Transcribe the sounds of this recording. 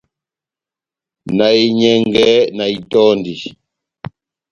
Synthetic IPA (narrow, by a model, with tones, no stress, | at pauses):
na˨i˨ɲɛ˦ŋɡɛ˦na˨i˨tɔ˦ndi˨